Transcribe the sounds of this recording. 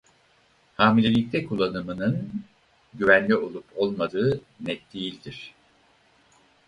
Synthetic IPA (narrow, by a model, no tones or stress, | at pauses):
haːmilʲe̞lʲict̪ʰʲɛkʰulˠːanɯmɯnɯn | ɟyvænlʲio̞lˠupʰo̞lˠmad̪ɯː | nɛt̪̚d̪ejilʲd̪iɾ̝̥